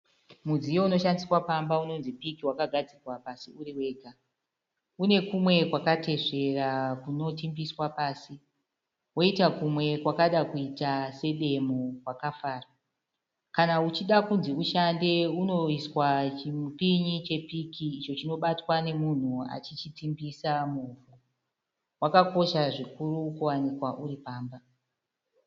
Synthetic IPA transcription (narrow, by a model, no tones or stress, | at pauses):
mud͡zijo̞uno̞ʃandiswapambauno̞nzipikiwakaɡʱad͡zirwapasiuriwe̞ːɡʱa | une̞kumwe̞kwakate̞ʐe̞rakuno̞timbiswapaːsi | wo̞itakumwe̞kwakaɗakuitase̞ɗe̞mokwakafaːra | kanaut͡ʃiɗakunziuʃande̞uno̞iswat͡ʃipiɲit͡ʃe̞pikiːt͡ʃo̞t͡ʃino̞ɓatwane̞mun̤ua̰t͡ʃit͡ʃitimbisamuvo | wakako̞ʃaʐikurukuwanikwaʔuripaːmba